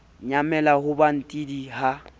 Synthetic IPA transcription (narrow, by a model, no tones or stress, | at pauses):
ɲamɛlahʊban̩tʼidiha